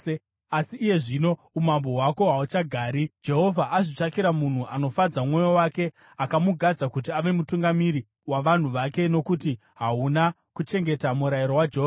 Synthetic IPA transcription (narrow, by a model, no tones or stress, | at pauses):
asiʔːje̞ʐino̞ | umambo̞ɦwako̞ɦaut͡ʃaɡʱaːɾid͡ʒe̞ɦo̞vʱaʔaʐit͡ʂakiɾamun̤uʔano̞fad͡zamwo̞jo̞wake̞ | akamuɡʱad͡zakut̬iaʋe̞mutuŋɡamiɾi | waʋan̤uʋake̞no̞kuti | ɦauna | kut͡ʃe̞ŋɡe̞tamuɾajiɾowad͡ʒeɦoːva